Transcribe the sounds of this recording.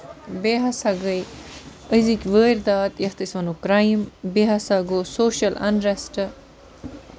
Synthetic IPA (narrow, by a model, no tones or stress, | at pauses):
beːɦɐsɐɡɐj | əzikʲʋəːɾd̪aːt̪jɐht̪isʋɐnukɾaːjimbeɦɐsɐɡosoːʃɐlɐ̰nɾɐsʈɐ